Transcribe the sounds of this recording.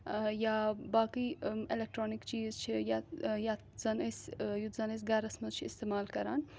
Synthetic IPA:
jabaːkielek̚ʈɾoːnikt͡ʃiːzt͡ʃʰijaja | zɐnesjut̪zɐnes̬ɡaɾɐsmɐzt͡ʃʰiist̪eːmaːlkɐɾa̰ːn

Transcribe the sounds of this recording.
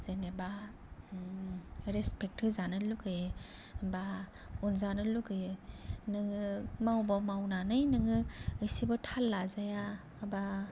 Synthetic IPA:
zeneba | ɾespek̚tʰɯzanɯluɡʰɯj | ba | ɔnzanɯluɡɯjnɯŋɯmawbamawnanɯjnɯŋɯɯjsibɯtʰalːazaja | ba

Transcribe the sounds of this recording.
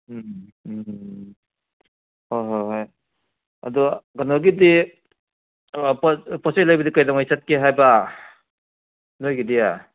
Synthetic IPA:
hojɦojɦaj | ɐ̰dɔɡanɔɡidi | ppɔsejlajbɐdikajdɔŋajsat̚keɦajba | nojɡidia

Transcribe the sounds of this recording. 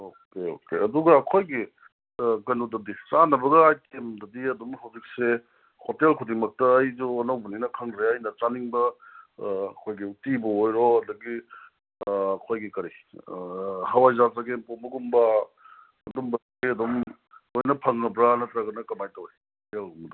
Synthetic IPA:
okeo̰keɐduɡɐːkʰojɡi | kɐnudɐdit͡ʃanɐbɐɡɐajkemdɐdiɐdumɦɐwzik̚se | hotelkʰudiŋmɐk̚tɐːjzuɐnɐwbɐninɐkʰɐŋɾeɐjnɐt͡ʃaniŋbɐ | ɐkʰojɡiutibɐojɾoɐdɐɡi | kʰojɡikɐɾi | hawajzazaɡempombɐɡumbɐː | dumbɐdɡiɐdɔm | ojnɐpʰɐŋːɐbɾanɐt̪ɾɐɡɐnɐkɐmajtɐwehtelɡumɐdɐ

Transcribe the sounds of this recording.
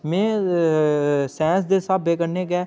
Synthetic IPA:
mẽː | sɛ̃ːns̬d̪eːsaːbeːkəɾneːkɛː

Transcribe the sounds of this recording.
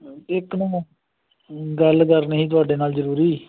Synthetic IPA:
ɪknũː | ɡəlkəɾnɦĩːt̪̬ʊaːɖeːnaːlzəɾuːɾiː

